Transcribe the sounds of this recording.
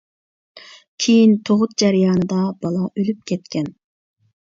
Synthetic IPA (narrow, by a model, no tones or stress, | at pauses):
kʲʰejint̪ʰoʁʊt̪̚d͡ʒæɾijɑːnɨd̪ɑbɑlˠɑʔølyp̚kʲʰɛt̪kʲɛn